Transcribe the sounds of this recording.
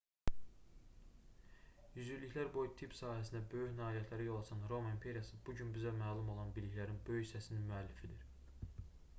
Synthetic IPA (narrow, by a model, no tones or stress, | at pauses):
jyzyɾliçlæɾbo̞jt̪ʰipsɑːhæsind̪æbø̞jyçnæɑːlijæt̪ʰlæɾijo̞lˠɑsʰɑnɾo̞mɑimpʰe̞ɾijɑsɯbuɟynbizæmæːlˠumo̞lˠɑnbiliçlæɾinbø̞jyçsæsininmyælːifid̪iɾ